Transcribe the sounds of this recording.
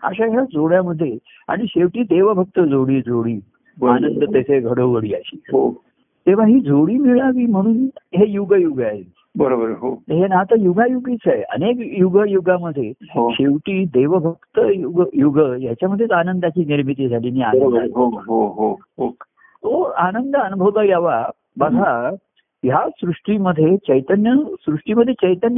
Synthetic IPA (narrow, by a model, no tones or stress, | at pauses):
a̰ɕaɕad͡zoɭjaməd̪ʱːje | a̰ɽ̃iɕeʋʈiːd̪eʋəbʱək̚t̪əd͡zoɽiːd͡zʱoɽiː | banənd̪ət̪əseɡʱəɽoɡəɽiːəɕiːɦo | t̪eʋ̤aɦiːd͡zʱoɽiːmiɭaʋiːm̤əɽuːnɦejuɡjuɡəaɦe | bəɾobəɾɦot̪əɦenat̪əjuɡʱajuɡit͡sajə̰nekjuɡəjuɡaməd̪ʱːjeɦoɕeʋʈiːd̪eʋəbʱəkt̪əjuɡəjuɡəjat͡ɕaməd̪ʱjet͡sanənd̪at͡ɕiːniɾmit̪̬id͡zʱaliːniːanəaɦoɦoɦo | o | t̪oanənd̪əənubʱəwt̪əjaʋa | bəɡʱa | jasɾuʂʈiːməd̪ʱːjet͡ɕəjt̪ənjəsɾuʂʈiməd̪ʱjet͡ɕəjt̪ənjə